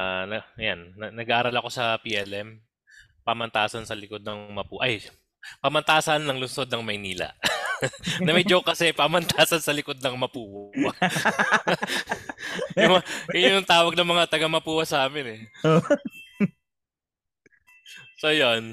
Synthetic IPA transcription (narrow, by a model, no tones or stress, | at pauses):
anɐɐjanːɐnːɐɡaːʔɐɾalɐko̞sɐpiʔɛlʔɛm | pamɐnt̪aːsɐnsɐlɪko̞d̪̚nɐŋmɐpuːʔɐj | pɐmɐnt̪aːsɐnːɐŋlʊnso̞d̪̚nɐŋmɐjniːlɐ̰ | ɐmɐjd͡ʒokːɐsɛɐjpamɐnt̪aːsɐnsɐlɪko̞d̪̚nɐŋmɐpuːwwɐ | jʊmjʊʊŋt̪aːwɐɡ̚nɐŋmɐŋat̪ɐɡamɐpuːwɐsɐaːmɪnɛ | sojon